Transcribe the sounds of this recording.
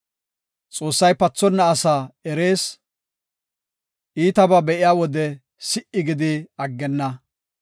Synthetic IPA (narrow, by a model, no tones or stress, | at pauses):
t͡sʼo̞ːsːɐjpɐt͡sːɔnːɐːsaːɛɾe̞ːs | ʔiːt̪ɐbɐbɛʔɪjaːwɔd̪ɛ | sɪʔɪɡɪd̪ɪɐɡːɛnːɐ